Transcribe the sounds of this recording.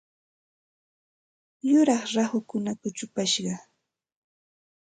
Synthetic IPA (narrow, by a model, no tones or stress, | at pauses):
jʊɾɑχɾahʊkʊnakʊt͡ʃʊpaʃɢɑ